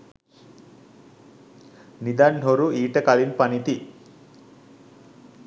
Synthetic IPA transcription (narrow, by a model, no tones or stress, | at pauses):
nid̪anɦoɾuiːʈəkalinpɐnit̪i